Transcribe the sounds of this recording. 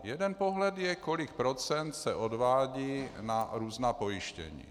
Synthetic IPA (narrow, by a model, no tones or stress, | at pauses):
jɛd̪ɛnpoɦlɛd̪jɛkolik̚pɾɔt͡sɛnt̪sɛʔod̪ʋaːɟiːnaɾuːznaːpojiʃcɛ̰ɲḭː